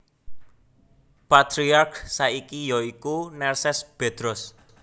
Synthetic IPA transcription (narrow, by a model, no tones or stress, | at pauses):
pat̪ɾiarksaikijɔikunɛrsɛsb̥e̤d̪̥ɾɔs